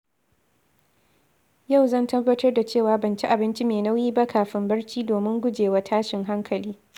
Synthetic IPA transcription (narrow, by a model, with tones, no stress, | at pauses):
ja˦˨wzɐ˦˨ntɐ˦bːɐ˦tɐ˦rda˨t͡ʃeː˦˨waː˨bɐ˨nt͡ʃi˦ʔa˨bɪ˦nt͡ʃi˦meː˨na˦wjiː˦ba˦kʰaː˨ɸɪ˦mbɐ˦ɽt͡ʃiː˦doː˨mɪ˦ŋɡʷʊ˦d͡ʒeː˨wa˦tʰaː˦ʃɪ˨ŋɦa˦ŋkʰɐ˨liː˦